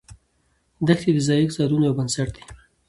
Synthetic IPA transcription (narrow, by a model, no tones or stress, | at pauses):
d̪axt̪id̪əzɑjikzɑɾunojawbansaʈ̚d̪i̥